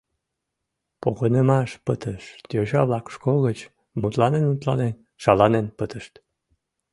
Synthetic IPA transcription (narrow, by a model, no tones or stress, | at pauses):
poɣənəmɑʃpət̪ʰəʃt̪joʑɑβlɑkʃkoɣət͡ɕ | mut̪lɑnenut̪lɑnen | ʃɑlɑnenpət̪əʃt̪